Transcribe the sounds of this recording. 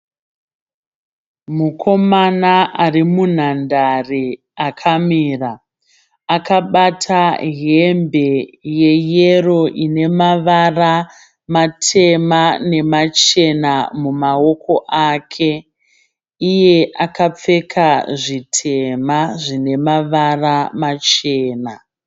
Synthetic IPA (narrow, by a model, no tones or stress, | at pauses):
mukʰo̞manaʔarimun̤andari | akʰamiːra | akaɓatʰaɦembe̞je̞jero̞ʔine̞maʋara | matʰe̞mane̞mat͡ʃe̞namumawo̞ko̞ʔaːkʰe̞ | ije̞ʔakap͡fe̞kʰaʐitʰe̞maʐine̞maʋaramat͡ʃe̞ːna